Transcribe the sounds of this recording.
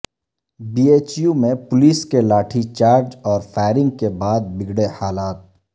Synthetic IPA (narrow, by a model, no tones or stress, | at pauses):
biːeːt͡ʃjumẽpʊliːskelaːʈʰit͡ʃaːɾd͡ʒɔːɾfʰaːɪɾɪ̃ŋɡkebaːd̪̚bɪɡɽehaːlaːt̪̚